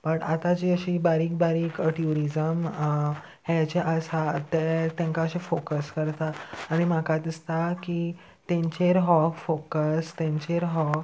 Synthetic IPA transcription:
bəʈat̪ad͡ʑiəɕiːbaɾiːk̚baɾiːkəʈjuɾid͡zəm | het͡ɕeʔəsat̪et̪ẽŋkaəɕifokəskəɾt̪aːɽ̃imakad̪ist̪aki | t̪ẽɲt͡ɕeɾɦɔkfokəst̪ẽɲt͡ɕeɾɦɔ

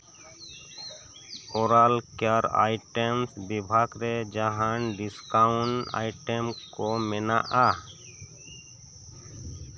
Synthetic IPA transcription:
ɔɾalkjaɾa̰jʈɛmsbibʱaɡɾɛd͡ʒaɦaɳʈɖiskaʊ̃ɳʈa̰jʈɛmkɔmɛnaʔa

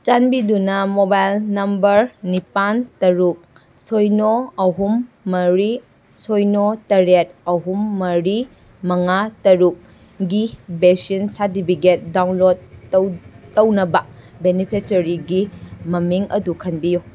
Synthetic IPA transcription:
t͡ʃanbidunɐmobajlnɐmbɐɾnipantɐɾuk̚ | sojnoɐɦumːɐɾi | sojnotɐɾet̚ɐɦumːɐɾi | mɐŋatɐɾuk̚ | ɡibesinsaɾt̬ipʰiket̚dawnlod̚wtːɐwnɐbɐbenipʰet͡ʃɐɾiɡimɐmiŋɐ̰dukʰɐnbiju

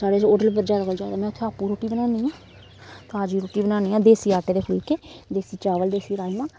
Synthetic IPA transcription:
saːɽeːsoːɖəlpəɾd͡ʒaːd̪aːkəld͡ʒaːd̪aːmɛ̃ːʊt̪ʰːẽaːpuɾoːʈiːbənaːniːãː | t̪aːd͡ʒiːɾoːʈiːbənaːniːãːd̪eːsiːaːʈeːd̪eːpʰʊlkeːd̪eːsiːt͡ʃaːʋəld̪eːsiːɾaːimãː

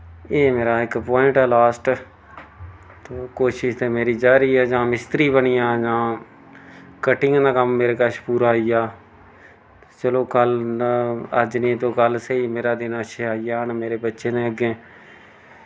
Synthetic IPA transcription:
eːmeːɾaːɪkpɔːɪɳʈɛːlaːsʈ | t̪oːkoːʃɪʃt̪eːmeːɾiːd͡ʒaːɾiːɛːd͡ʒãːmɪst̪ɾiːbəɳiːjãːd͡ʒãː | kəʈɪ̃ŋɡnaːkəmːeːɾeːkəʃpuːɾaːijaː | t͡ʃəloːkəl | ə̰d͡ʒnĩːt̪õːkəlsəiːmeːɾaːd̪ɪnəʃeaːijaːnmeːɾeːbətːʃeːnẽːəɡẽː

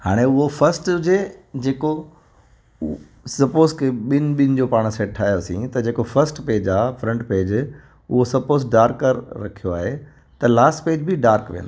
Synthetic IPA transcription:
haːɽ̃eʊɦofʰɐɾsʈd͡ʑed͡ʑeːko | sɐpoːzkʰeɓɪnɪ̆ɓɪnɪ̆d͡ʑoːpaːɽ̃seːʈ̚ʈʰaːijosḭ̃t̪ɐd͡ʑeːkofɐɾsʈpeːd͡ʑaːfɾɐ̃ɳʈpeːd͡ʑ | ʊɦosɐpoːzɖaːɾkəɾːɐkʰijoaːɦe | t̪ɐlaːsʈpeːd͡ʑbʱɪɖaːɾkʋḭjə̰n

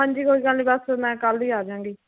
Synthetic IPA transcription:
ɦãːɲd͡ʒiːkoiːkəniːbəsmɛ̃ːkəliːaːd͡ʒãːŋɡiː

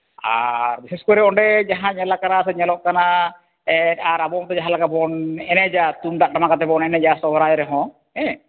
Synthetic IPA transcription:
a̰ɾbiseskɔɾɛɔɳɖɛd͡ʒaɦãɲɛlakanasɛɲɛlɔʔkana | ɛaɾabɔmt̪ɔd͡ʒaɦãlaɡabɔnɛnɛd͡ʒat̪und̪aʔʈamakat̪ɛbɔnɛnɛd͡ʒasɔbɾajɾɛɦɔ̃ | ɛ

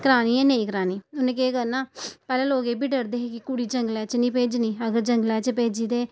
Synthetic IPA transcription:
kəɾaːniːɛːneĩːkəɾaːniːʊnẽːkeːkəɾnaːpɛːlẽːloːɡeːbʱiːɖəɾd̪eːɦekɪkuɽiːd͡ʒəŋɡlɛːt͡ʃnĩːpeːd͡ʒnĩːəɡəɾd͡ʒə̃ŋɡlɛːt͡ʃəpeːd͡ʒiːt̪eː

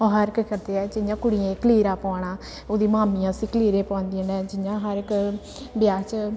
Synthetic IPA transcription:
oːɦəɾɪkkəɾd̪eːɛːd͡ʒɪɲd͡ʒãːkʊɽiẽːkliːɾaːpaːɳaː | oːd̪iːmaːmijãːsĩːkəliːɾeːpãːnd̪iə̃nɛ̃ːd͡ʒɪɲd͡ʒãːɦəɾɪk | bɪjaːt͡ʃ

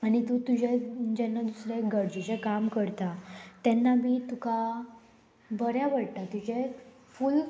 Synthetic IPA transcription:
aɽit̪ut̪ud͡ʑʱed͡ʑɛnːad̪usɾeekɡəɽd͡ʑud͡ʑekamkəɾt̪at̪ɛnːabʱiːt̪uka | bəɾjaʋəɽt̪at̪ud͡ʑe | ful

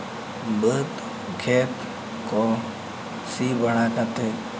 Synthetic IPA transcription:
bət̪ | kʰeːt̪ | koː | siːbʱəɽ̃aːkat̪eː

